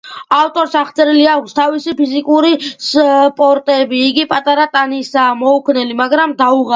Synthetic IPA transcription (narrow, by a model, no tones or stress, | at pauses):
aft̪ʼɔɾsaχt̪sʼɛɾiliakʰst̪ʰavisipʰizikʼuɾispʼɔɾt̪ʼɛbiːɡipʼat̪ʼaɾat̪ʼanisaːmɔukʰnɛlimaɡɾamd̪auʁa